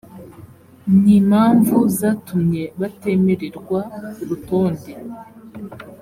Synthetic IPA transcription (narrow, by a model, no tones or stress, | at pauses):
niːmaːɱvuzatumɲe̞βate̞me̞ɾeɾɡwauɾuto̞ːnde